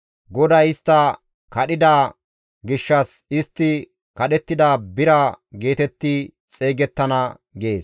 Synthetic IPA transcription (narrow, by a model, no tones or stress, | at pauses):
ɡɔd̪ɐjɪst̪ːɐ | kɐɗɪd̪aː | ɡɪʃːɐs | ɪst̪ːɪ | kɐɗɛt̪ːɪd̪aːbɪɾɐɡe̞ːt̪ɛt̪ːɪ | t͡sʼe̞ːɡɛt̪ːɐnɐ | ɡe̞ːs